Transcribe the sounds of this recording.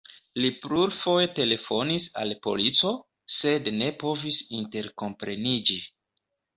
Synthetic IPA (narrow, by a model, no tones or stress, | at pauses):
lipluɾfo̞jete̞le̞fo̞nisa̰lpo̞̰lit͡so̞ | se̞dne̞po̞visinte̞ɾko̞mpɾe̞nid͡ʒi